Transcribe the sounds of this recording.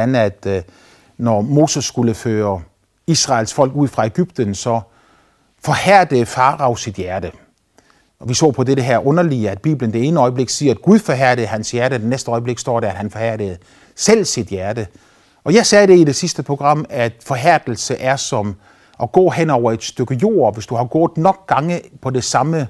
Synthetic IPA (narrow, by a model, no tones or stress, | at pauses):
næd̥ | nɒmo̝ːsəsːɡ̥uləføːɐ | isʁɑ̈ɪlsfɒ̽l̰ɡ̥uð̰ˠfʁɑ̈e̝ɡ̥yb̥̚d̥ənsɒ̽ | fɒ̽hæɐ̰d̥əfɑ̈ːʁɑ̈ʊsid̥jæɐd̥ə | ʔɒʋisɔ̰ːpʰɒ̽deɾəɦeɐ̰ʔɔ̽nɐliəæd̥̚b̥ḭːb̥lənd̥e̝e̝ːnəɒ̽ɪəb̥le̝ɡ̥siːɐæd̥̚ɡ̥uðˠfɒɦæɐ̰ɾ̥ð̩ˠɦænsjæɐɾəd̥enesd̥əɒ̽ɪəb̥le̝ɡ̥sd̥ɒ̰ːɾæɐæd̥hænfɒhæɐ̰d̥əð̩ˠ | sel̰sid̥jæɐd̥ə | ɒ̽jɑ̈ɪsɛːde̝ide̝sisd̥əpʰʁo̝ɡ̥ʁɑ̈m̰æd̥fɒ̽ɦæɐ̰d̥l̩səʔæɐsɒ̽m | ʔɒ̽ɡ̥ɔ̰̽ːɦen̰ɒʊɐe̝d̥sd̥øɡ̥əjo̝̰ːɐʋe̝sd̥uhɑ̈ɡ̥ɔ̰ɐːðˠnɒ̽ɡ̥̚ɡ̥ɑ̈ŋəpʰɒ̽de̝sɑ̈mə